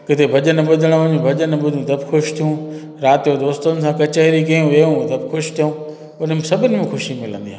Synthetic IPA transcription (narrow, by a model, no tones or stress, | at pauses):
kɪt̪ʰebʱɐʄənbʊd̪ʱəɽ̃ɲubʱɐʄənbʊd̪ʱũt̪ɐbɪxʊʃt̪ʰijũ | ɾaːt̪ijod̪oːst̪ʊnɪ̆s̬ãkɐt͡ɕəiɾikɐjũʋijũt̪ɐbɪxʊʃt̪ʰijũː | ʊn̤ə̆mẽsɐbʱɪnɪ̆mẽxʊʃimɪlə̰̃nd̪iɦaː